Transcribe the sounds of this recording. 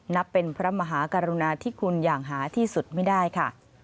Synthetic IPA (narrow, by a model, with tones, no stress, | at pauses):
na˦˥pːe˧npʰɾa˦˥ma˧ɦaː˩˦ka˧ɾu˧naː˧t̪ʰiː˥˩kʰu˧njaː˨˩ŋɦaː˩˦t̪ʰiː˥˩su˨˩t̪̚ma˥˩jdaː˥˩jkʰa˥˩